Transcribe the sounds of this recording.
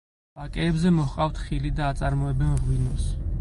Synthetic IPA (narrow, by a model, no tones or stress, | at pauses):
b̥akʼɛːbzɛmɔhqʼaft̪ʰχilid̪aːt̪sʼaɾmɔɛbɛnʁwinɔs